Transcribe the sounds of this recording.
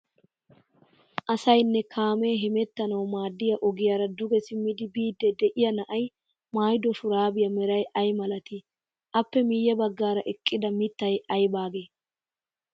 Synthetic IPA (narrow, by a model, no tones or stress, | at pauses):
ʔɐsɐjnːɛkʰaːmeːɦɪmɛt̪ːɐnɐwmaːd̪ːɪjɐʔɔɡɪjaːɾɐd̪ʊɡɛsɪmːɪd̪ɪbiːd̪ːɛd̪ɛʔɪjɐnɐʔɐj | maːjd̪ɔʃʊɾaːbɪjɐmɛɾɐjʔɐjmɐlɐt̪ɪ | ʔɐpːɛmɪːjːɛbɐɡːaːɾɐʔɛkʼːɪd̪ɐmɪt̪ːɐjʔɐjbaːɡeː